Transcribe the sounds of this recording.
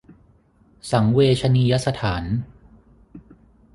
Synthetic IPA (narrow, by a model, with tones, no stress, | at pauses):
sa˩˦ŋweː˧t͡ɕʰa˧niː˧ja˦˥sa˧t̪ʰaː˩˦n